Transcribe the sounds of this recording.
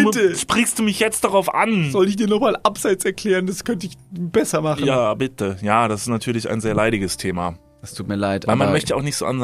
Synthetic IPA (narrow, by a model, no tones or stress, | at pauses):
bɪmtəʃpʁ̥ɪçstd̥uːmɪçjɛt͡st̚d̥aʁaʊfʔanz̥ɔlɪçd̥iːɐnɔχmaːlʔapz̥aɪt͡sɛɐkl̥ɛːʁənd̥askʰœntəɪçb̥ɛsɐmaχnjaːbɪtʰəjaːd̥asɪstnatʰyːɐlɪça̰ɪnzeːɐlaɪɾɪɡəstʰeːma | d̥astʰuːt̚miːɐlaɪtvaɪlmanmœçtəa̰ʊxnɪçtz̥o̰ʔa̰n